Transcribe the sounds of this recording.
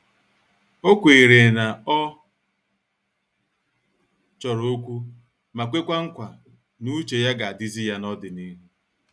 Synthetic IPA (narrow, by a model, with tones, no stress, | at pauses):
o˦kʷe˨ɾe˨e˨na˨ɔ˦ | t͡ʃɔ˨ɾo˦kʷu˦ | ma˨kʷe˦kʷa˦ŋ̩˦kʷa˨ | nu˦t͡ʃe˨ja˦ɡa˨a˨dɪ˦zi˦ja˦nɔ˦dɪ˨ni˦ɦi˦